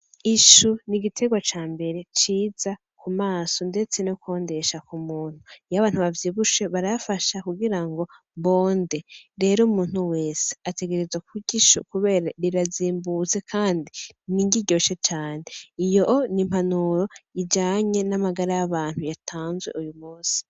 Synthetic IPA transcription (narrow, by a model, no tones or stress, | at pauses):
iʃuniɡitʰe̞ɡwat͡ʃaːmbe̞ɾe̞t͡ʃiːza | kumaːso̞nde̞t͡se̞noko̞ːnde̞ʃakumuːn̥hujaβaːn̥uβavjiːβuʃe̞βaɾafaʃakuɡiɾaŋɡo̞ | βo̞ːnde̞ɾe̞ːɾumuːn̥uwe̞ːse̥ate̞ɡe̞ɾezwakuɟiʃṵkuβe̞ːɾaɾiɾaziːmbuze̞kʰaːndiniɲɟiɟo̞ːʃet͡ʃaːne̞ijoʔonim̥hanuɾo̞iɟaːɲe̞namaɡaɾajaβaːn̥hujatʰaːnzwe̞̰ʔujumuːsi̥